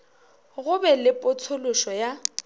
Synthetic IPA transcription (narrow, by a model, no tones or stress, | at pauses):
ɣʊbɛlɪpʼʊt͡sʰolʊʃɔja